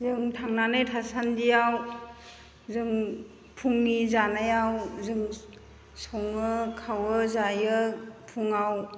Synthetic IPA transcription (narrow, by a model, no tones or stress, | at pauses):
zɯŋtʰaŋnanɯjtʰasandijaw | zɯŋ | pʰuŋnizanajawzɯŋ | sɔŋɯkʰawɯzajɯpʰuŋaw